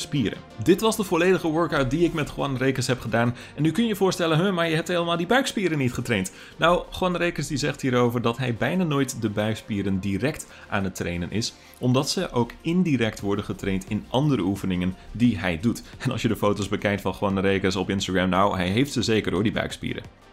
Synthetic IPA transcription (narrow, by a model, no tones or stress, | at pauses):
spiːəɾə̰ndɪtʋɑzdəvɔlejdəχəʋøɹkawt̚diɪkmɛtχwɑnrejkəsɦɛpχədaːn | ɛnːykɵnəjəvʊːɹstɛlənɦəmaɹjəɦɛp̚tɦeːləmaːlˠdibœɥkspiːɾənːitχətrejnt | nawχwɑnrejkəsdizɛχthiːɾowvəɹdɑtɦɛjbɛjnaːnoːjtdəbœɥkspiːɾəndirɛk̚t | ʔaːnətrejnənʔɪ̰s | ʔɔmdɑtsəʔowkɪndiɾɛk̚tʋɔɹdənχətrejntɪnʔɑndəɾəufənɪŋəndiɦɛjdutɛnɑ̰lˠsjədəfowtozbəkɛjk̚tfɑnχwɑnrejkəsɔpɪnstaɡɹɛmnawɦɛjɦejftsəzejkəɹʊːɹdibœ̰ɥkspḭːɾə̰